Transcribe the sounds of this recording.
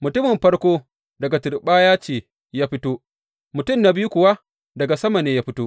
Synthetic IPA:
mʊ˨tʊ˦mɪ˨mɸɐ˦ɽkʷoː˦ | dɐ˨ɡa˨tʊ˨ɾɓaː˦jaː˦t͡ʃeː˨ | jaː˦ɸɪ˦toː˦ | mʊ˨tʊ˦˨mna˦bɪ˦ju˦kʷʊ˨wa˦ | dɐ˨ɡa˨sɐ˦ma˨neː˦jaː˦ɸɪ˦toː˦ʔ

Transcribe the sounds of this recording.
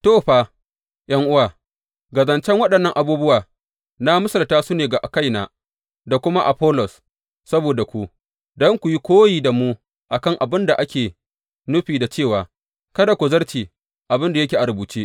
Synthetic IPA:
toː˦˨ɸaː˦˨ | jɐ˦ŋʔʊ˦waː˨ | ɡɐ˨zɐ˨nt͡ʃɛ˦ŋwɐ˦ɗɐ˨nːɐ˦ŋʔa˨buː˦bʊ˦waː˨ | na˦mʊ˦sɐ˨ltaː˦sʊ˦neː˨ɡa˨ʔa˨ka˦jnaː˦ | da˨kʷʊ˦ma˦ʔa˨ɸɔ˦lɔ˨s | sɐ˦boː˨da˨kʷu˦ | dɔ˦ŋkʷu˨ji˦kʷoː˦jiː˨da˨muː˦ | ʔa˨kɐ˦ŋʔa˨bɪ˦nda˨ʔa˦kʲeː˨ | nʊ˦ɸiː˨da˨t͡ʃeː˦˨waː˨ | kɐ˦da˨kʷu˨zɐ˦rt͡ʃiː˨ | ʔa˨bɪ˦nda˨jɐ˦kʲeː˨ʔa˨ɾʊ˨buː˨t͡ʃeː˦

